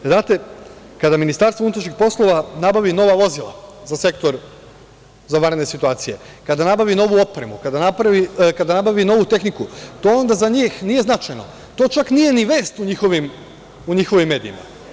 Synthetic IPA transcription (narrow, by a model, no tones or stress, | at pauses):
znaːt̪e̞kad̪aminist̪aɾst̪ounut̪ɾaʃixpo̞slˠo̞ʋanabaʋino̞ʋaʋo̞zilˠa̰zase̞kt̪o̞ɾ | zaʋaɾed̪nesit̪uaːt̪sije̞ | kad̪anabaʋino̞ʋuo̞pɾe̞mukad̪anapɾaʋikad̪anabaʋino̞ʋut̪e̞xnikut̪oond̪azaɲiːxnije̞znat͡ʃajno̞̰ | t̪o̞ːt͡ʃaknije̞niʋe̞ːst̪uɲixo̞ʋim | uɲixo̞ʋimːe̞ːd̪ḭḭma̰